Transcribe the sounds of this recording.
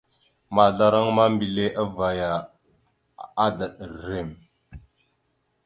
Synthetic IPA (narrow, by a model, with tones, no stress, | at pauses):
ma˨ɮa˦ɾa˦ŋma˦mbi˨le˦ʔa˦va˨ja˨ | a˦da˨ɗə˨ɾːe˦˨m